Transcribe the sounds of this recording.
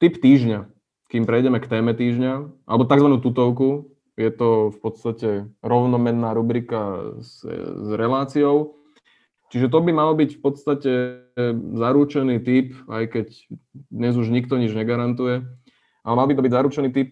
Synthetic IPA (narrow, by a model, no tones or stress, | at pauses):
t̪ipt̪iːʒɲa | kiːmpɾɛjɟɛmɛkt̪ɛːmɛt̪iːʒɲaʔa̰lɛbɔt̪aɡzʋanuːt̪ut̪ɔʊku | jɛt̪ɔfpɔt̪st̪acɛɾɔʊnɔmɛnːaːɾubɾikaszɾɛlaːt͡siɔʊ | t͡ʃiʒɛt̪̬ɔbimalbicfpɔt̪st̪acɛ | zaɾuːt͡ʃɛniːt̪ipa̰jkɛc | d̪ɲɛzuʒɲikt̪ɔɲid͡ʒɲɛɡaɾant̪ujɛ | ʔalɛmalbit̪ɔbiɟzaɾut͡ʃɛniːt̪ip̚